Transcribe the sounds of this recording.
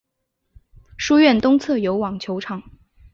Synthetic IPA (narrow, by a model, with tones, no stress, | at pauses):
ʂu˥ɥɛ˥˩nt̪ʊ˥ŋt͡sʰɤ˥˩jo˧˥ʊwɑ˨˩ŋt͡ɕʰjo˧˥ʊʈ͡ʂʰɑ˨˩˦ŋ